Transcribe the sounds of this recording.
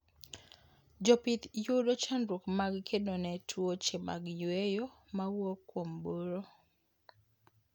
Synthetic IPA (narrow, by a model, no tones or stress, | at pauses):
d͡ʒɔpit̪joɾot͡ʃandɾukmaɡkʰedonɛtʰwot͡ʃema̰ɡjwejo | mawokːwomboɾo